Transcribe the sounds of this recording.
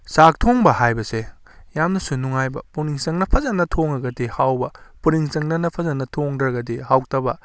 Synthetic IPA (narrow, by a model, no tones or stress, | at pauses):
sak̚tʰoŋbɐhajbɐse | jamnɐsunuŋajbɐ̰puniŋsɐŋnɐpʰɐzɐnːɐtʰoŋɐɡɐdihawbɐpuniŋsɐŋnɐnɐpʰɐzɐnɐtʰoŋdɾɐɡɐdihawk̚tɐbɐ